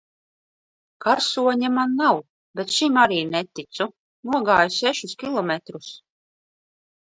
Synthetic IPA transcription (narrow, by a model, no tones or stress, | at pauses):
kaɾsuɔɲamanːaw | bet̪ʃimaɾiːnɛt̪it̪su | nuɔɡaːjusɛʃuskʲilˠɔmʲɛt̪ɾus